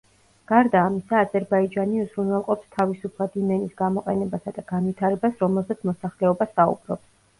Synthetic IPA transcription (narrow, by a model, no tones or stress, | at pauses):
ɡ̥aɾd̪aːmisaːzɛɾbaid͡ʒaniuzɾunwɛlˠqʼɔpst̪ʰavisupʰlˠad̪imɛnisɡamɔqʼɛnɛbasad̪aɡ̥anvit̪ʰaɾɛbasɾɔmɛlˠzɛt̪sʰmɔsaχlɛɔbasaṵbɾɔ̰ps